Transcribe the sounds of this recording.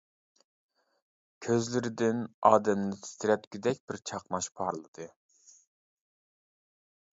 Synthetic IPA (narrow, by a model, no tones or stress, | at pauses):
kʲʰøzlɪɾɪd̪ɪnɑːd̪ɛmnɪt̪ʰi̥st̪ɪɾɛt̪kʲyd̪ɛk̚ʲb̥ɪɾt͡ʃʰɑqnɑʃpʰɑɾlˠɨd̪̥ɨ